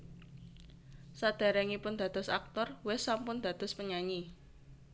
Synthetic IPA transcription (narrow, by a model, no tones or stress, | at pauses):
sad̪̥a̤ɾɛŋipʊnd̪̥ä̤d̪̥ɔsa̰k̚t̪ɔrwesampʊnd̪̥ä̤d̪̥ɔ̤spəɲaɲi